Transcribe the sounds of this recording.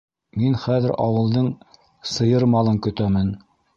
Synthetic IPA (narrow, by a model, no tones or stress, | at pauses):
minχæðɘɾʔɑwɤ̆lˠd̪ɤɴ | sɤ̆jɤɾmɑlˠɤŋkɵ̆t̪æmɘn